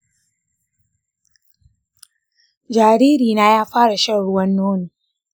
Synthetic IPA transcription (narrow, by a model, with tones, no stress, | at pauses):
d͡ʒaː˨ɾiː˦ɾiː˨naː˦jaː˦ɸaː˦ɽa˨ʃɐ˦ɽʊ˦wɐ˦nːoː˦nu˨